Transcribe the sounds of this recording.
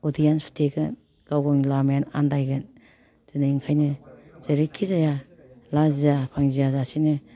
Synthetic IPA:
ɔdijanstʰeɡɯn | ɡ̥awɡɔŋlamjana̰ndajɡɯn | z̥ɯnaiŋkʰajnɯz̥eɾikʰizaja | lazijapʰaŋzijazasinɯ

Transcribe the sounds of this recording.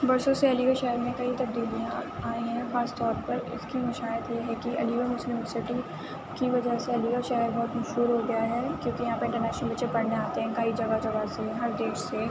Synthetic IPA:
bɐɾsõseɐliːɡaʃɛːəɾmẽkɐit̪ɐb̚d̪iːliãaːĩɦɛ̃xaːst̪ɔːɾpɐɾɪ̰skimɐʃaːjət̪jeɦɛkiɐ̰liːʋamʊslɪmɪsɪʈi | kiʋɐd͡ʒaseɐliːɡaʃɛːɦəɾbɔːt̪mɐʃɦuːɾɦoɡɐjaɦɛːkjõːkijɐɦãːpɐɾɪ̃ɳʈəɾnɛːʃnəlbɐtːʃepɐɽ̤neaːt̪eɦɛ̃kɐid͡ʒɐɡad͡ʒɐɡaːzeɛ̃ɦɐɾd̪eːʃse

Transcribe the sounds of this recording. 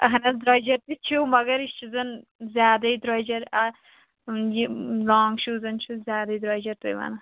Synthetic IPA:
ɐ̰ɦɐnɐsd̪ɾaːjd͡ʒɐɾt̪it͡ʃʰuwmɐɡɐɾist͡ʃʰizɐnzjaːd̪ɐid̪ɾaːjd͡ʒɐɾa | jilaːŋɡʃuːzɐnt͡ʃʰuzʲjaːd̪ɐid̪ɾaːjd͡ʒɐɾt̪ṵjʋɐ̰nɐ

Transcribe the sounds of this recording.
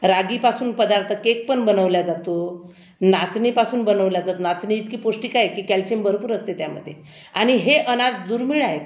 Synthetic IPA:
ɾaɡipasuːnpəd̪aɾt̪ʰəkek̚pəɳbənəʋljad͡zat̪o | nat͡snipasuːnbənəʋljad͡zat̪onat͡sniːt̪kiːpoʂʈiːkajekiːkælt͡ɕembʱəɾpuːɾəst̪et̪jamə̰d̪ʱːje | aɽ̃iɦeʔənad͡zd̪uːɾmiɭaɦe

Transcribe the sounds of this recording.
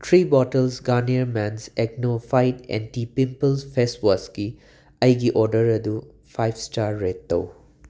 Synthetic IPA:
tʰɾibɔtəlsɡaniəɾmɛnsek̚nopʰajtḛntipimpəlspʰeswaski | ɐjɡiʔɔɾdɐɾɐd̪u | pʰajbsʈaɾːetːɐ̰w

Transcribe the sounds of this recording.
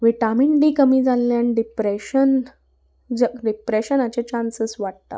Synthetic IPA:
ʋiʈamiɳɖiːkəmiːd͡zalːjaniɖipɾeɕən | d͡ʑəɖipɾeɕənat͡ɕet͡ɕãnsəsʋaʈ̚t̪a̰

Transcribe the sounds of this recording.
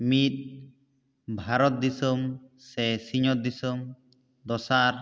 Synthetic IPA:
mit̪̚ | bʱaɾɔt̪̚d̪isɔmsɛsiɲɔt̪̚d̪isɔm | d̪ɔsaɾ

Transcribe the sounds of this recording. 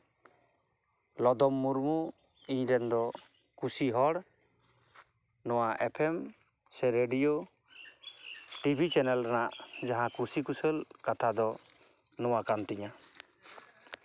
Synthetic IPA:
lɔd̪ɔmːuɾmu | iɲɾɛnd̪ɔ | kusiɦɔɽ | nɔwaʔɛpʰɛm | sɛɾeɖijo | ʈibʱit͡ʃɛnɛlʈanaʔd͡ʒaɦãkusikusəlkat̪ʰad̪ɔ | nɔwakant̪iɲa

